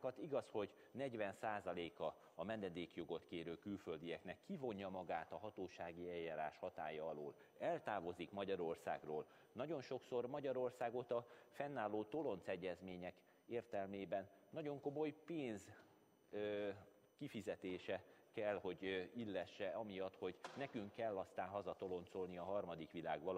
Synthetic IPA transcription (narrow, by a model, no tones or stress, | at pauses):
kɒt̪iɡɒsho̞ɟ | nɛɟʋɛnsaːzɒleːkɒ | ɒmɛnːɛd̪eːkjo̞ɡo̞t̪keːɾøːkylfø̞ld̪ijɛknɛkʰːivo̞ɲjɒmɒɡaːt̪ɒɦɒt̪oːʃaːɡiɛjːaːɾa̰ːʃhɒt̪a̰ːjɒɒlo̰ːl | ɛlt̪aːvo̞zikmɒɟɒɾo̞rsa̰ːɡroːl | nɒɟo̞nʃo̞kso̞rmɒɟɒɾo̞rsaːɡo̞t̪ɒfɛnːaːlːoːt̪o̞lo̞nt̪sɛɟːɛzmeːɲɛk | eːrt̪ɛlmeːbɛnːɒɟo̞ŋko̞mo̞jpeːnz | kifizɛt̪eːʃɛkɛlho̞ɟilːɛʃːɛɒmijɒt̪ho̞ɟnɛkyŋkːɛlːɒst̪aːnɦɒzɒt̪o̞lo̞nt̪so̞lniɒɦɒrmɒd̪ikʋila̰ːɡʋɒl